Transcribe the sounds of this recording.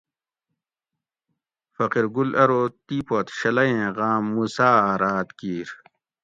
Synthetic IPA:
fɐqiɾɡulɐɾoːt̪iːpoːt̪ɕɐlɐjẽːʁaːmːusaːɾaːt̪kiːɾ

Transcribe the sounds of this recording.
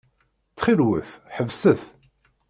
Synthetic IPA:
t͡sːχiɾwə̰θħəvsəθ

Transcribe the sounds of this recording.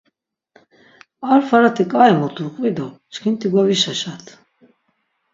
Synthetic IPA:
aɾfaɾat̪ʰikʼaɛmɔt̪ʰuɾqʼvid̪ɔt͡ʃkʰint̪ʰiɡwaviʃaʃat̪ʰ

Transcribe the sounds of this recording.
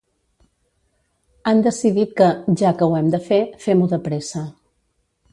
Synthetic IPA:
and̪əsiðit̪̚kəʒakəwɛmd̪əfefɛmuðəpɾesə

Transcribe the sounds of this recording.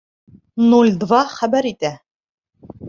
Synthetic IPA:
nulʲd̪vɑχæbæɾit̪æ

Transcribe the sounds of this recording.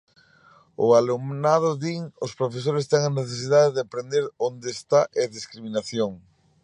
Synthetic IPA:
ʊ̰alumnað̞ʊðiŋʊspɾofes̬oɾest̪ɛŋaneθes̬ið̞aðeðɪapɾend̪eɾond̪eːst̪aʔeðiskɾiminaθjoŋ

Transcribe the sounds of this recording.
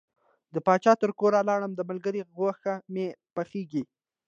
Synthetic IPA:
d̪əpɑt͡ʃɑt̪əɾkoɾalɑɽəmd̪əmalɡəɾiɣwaxamepaxeɡi

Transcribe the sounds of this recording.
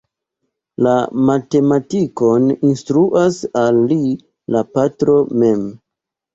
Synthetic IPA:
lamate̞matiko̞ninstɾuʔasalːi | lapatɾo̞me̞m

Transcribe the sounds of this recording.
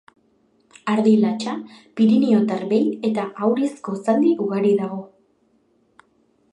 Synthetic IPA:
aɾðilat͡ʃapiɾinio̞t̪aɾβe̞je̞t̪aʔawɾesko̞sand̪iuɣaɾiðaɣo̞

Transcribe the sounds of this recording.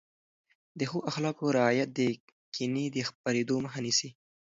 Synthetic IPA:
d̪əxoʔaxlɑkoɾɪɑjat̪̚d̪ə | kʰinid̪əxpaɾed̪oməxɑnisi

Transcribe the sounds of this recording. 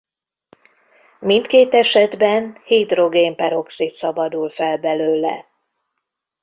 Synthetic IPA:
mint̪keːt̪ɛʃɛd̪bɛnhiːd̪ro̞ɡeːmpɛɾo̞ksit̪sɒbɒd̪ulfɛlbɛløːlɛ̰

